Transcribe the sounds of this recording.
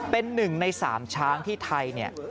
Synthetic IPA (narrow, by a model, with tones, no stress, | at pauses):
pe˧nːɯ˨˩ŋna˧jsa̰ː˩˦mt͡ɕʰaː˦˥ŋt̪ʰiː˥˩t̪ʰa˧jni˥˩ɐ